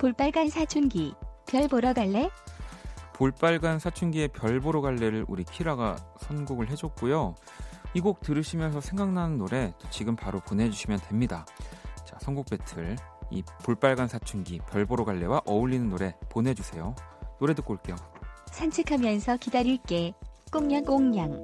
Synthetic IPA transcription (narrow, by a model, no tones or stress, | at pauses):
poɭp͈aɭɡansʰat͡ɕʰunɡipjʌɭboɾʌɡaɭːe̞ | poɭp͈aɭɡansʰat͡ɕʰunɡie̞pjʌɭboɾoɡaɭːe̞ɾɯɾʔuɾipʰiɾaɡasʰʌnɡuɡɯɭɦe̞d͡ʑok̚k͈ujo | iɡok̚tɯɾɯɕʰimjʌnsʰʌsʰe̞ŋɡaŋnanɯnːoɾe̞t͈ot͡ɕiɡɯmpaɾoponɦe̞d͡ʑuɕʰimjʌntwe̞mɲidat͡ɕasʰʌnɡuk̚p͈e̞tʰɯɭḭpoɭp͈aɭɡansʰat͡ɕʰunɡipjʌɭboɾoɡaɭːe̞waʔʌuʎːinɯnːoɾe̞ponɦe̞d͡ʑusʰe̞jonoɾe̞dɯk͈oɭk͈e̞josʰant͡ɕʰikʰamjʌnsʰʌkidaɾiɭk͈e̞k͈oŋɲaŋk͈oŋɲaŋ